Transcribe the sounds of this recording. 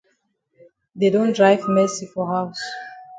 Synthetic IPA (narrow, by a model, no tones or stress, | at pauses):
ðedõndɹajvmɛsifɔɦaʊs